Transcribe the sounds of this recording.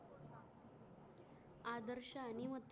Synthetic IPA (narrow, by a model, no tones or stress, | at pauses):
ad̪əɾɕaːnimət̪ː